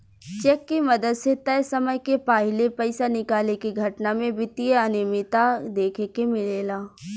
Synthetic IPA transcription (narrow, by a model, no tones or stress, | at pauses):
t͡ʃɛːkːimɐd̪əd̪set̪ɐjsɐməjkepaːɦɪlepɐɪsanɪkaːlekiɡʱɐʈnamẽbɪt̪ijəənɪmɪt̪ad̪eːkʰekemɪleːlaː